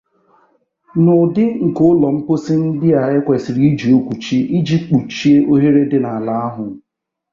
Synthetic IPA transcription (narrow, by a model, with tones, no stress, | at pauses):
nʊ˨dɪ˦ŋ̩˨kʊ˦ʊ˦lɔ˨m̩˦pʊ˦sɪ˦n̩˦dɪ˦a˨ɪ˦kʷe˨si˨ɾi˦i˦d͡ʒi˨o˦kʷu˨t͡ʃi˦i˦d͡ʒi˦k͡pu˨t͡ʃi˦e˦ʔo˦ɦe˦ɾe˦dɪ˦na˨a˨la˨a˦ɦʊ˨